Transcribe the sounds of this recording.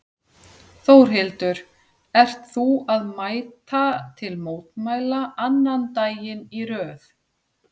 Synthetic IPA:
θowɾ̥ɦɪlt̪ʏɾ | ɛr̥t̪θuaðmaːjt̪at̪ʰɪlmoːwt̪maːjlaʔanːant̪aːjɪniɾœːθ

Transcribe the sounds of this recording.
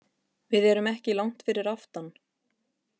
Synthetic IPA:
vɪðɛɾʏmɛhcɪlawŋ̥t̪fɪɾɪɾaft̪an

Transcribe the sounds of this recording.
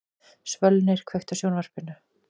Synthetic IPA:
svœlnɪɾ̥kʰvejxt̪asjoːwnvar̥pɪnʏ

